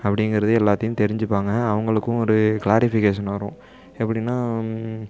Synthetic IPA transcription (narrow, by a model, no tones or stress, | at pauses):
ɐpːɐɽɪŋɡɪɾɐðɯɛlːaːt̪ːɐjʊ̃t̪ɛɾɪɲd͡ʒɯpːaːŋɡɐːʋɐŋɡɐɭɯkːʊ̃ɔɾɯkɭaːɾɪfɪkeːʂɐnaːɾʊ̃ | ɛpːɐɽɪnːaː